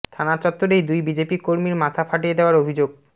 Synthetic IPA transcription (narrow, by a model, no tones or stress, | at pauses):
t̪ʰanat͡ɕɔt̪ːoɾejd̪ujbid͡ʑepikoɾmiɾmat̪ʰafaʈijed̪eoaɾobʱid͡ʑoɡ̚